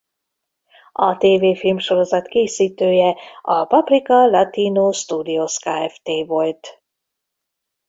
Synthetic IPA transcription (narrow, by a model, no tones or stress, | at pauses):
ɒt̪eːveːfilmʃo̞ɾo̞zɒt̪keːsiːt̪øːjɛɒpɒprikɒlɒt̪iːnoːʃt̪uːd̪ioskaːɛft̪eːvo̞lt̪